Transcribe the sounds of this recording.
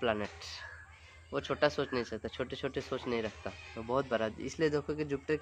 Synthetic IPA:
plɛːneːʈ | ʋot͡ʃʰoːʈasoːt͡ʃnəɦĩt͡ʃat̪at͡ʃʰoːʈet͡ʃʰoːʈesoːt͡ʃnɐɦĩɾɐkʰt̪aobɔɦːʊt̪̚bɐɾad̪̰ɪ̰slied̪eːkʰoked͡ʒʊp̚ʈəɾ

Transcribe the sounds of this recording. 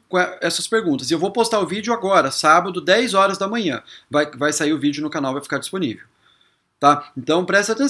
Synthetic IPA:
kõɛɛsɐspeɾɡũnt̪ɐsewvowpost̪aɾʊvid͡ʒʊaɡɔɾɐsabɐd̪ʊd̪ɛjzɔɾɐzd̪ɐmɐ̃ɲɐ̃vajvajsaiɾʊvid͡ʒʊnʊkanawvajfi̥kaɾd͡ʒisponḭvew | t̪aẽnt̪ɐ̃w̃pɾɛst̪ɐat̪ẽ

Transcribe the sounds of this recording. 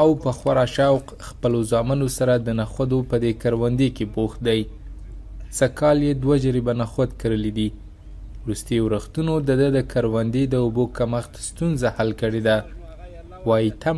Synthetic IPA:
awpəxwaɾɑʃawq | xpəlozɑmanosaɾad̪ənaxwad̪opəd̪ekaɾwand̪ekeboxt̪̚d̪aj | sakɑljed̪wad͡ʒəɾibanaxwad̪kəɾəlid̪i | wɾust̪əjowɾaxt̪unod̪əd̪əd̪əkʰaɾwand̪ed̪əobokaməxt̪st̪unzahalkəɽed̪a | wɑjit̪a

